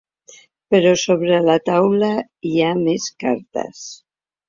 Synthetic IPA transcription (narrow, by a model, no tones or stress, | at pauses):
peɾosoβɾelat̪awla | iameskaɾt̪a̰s